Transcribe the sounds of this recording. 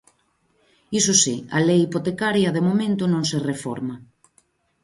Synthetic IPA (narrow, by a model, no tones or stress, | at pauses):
isʊsiɐ̰lejipot̪ekaɾjɐðemomẽnt̪ʊnõŋserefɔ̰ɾma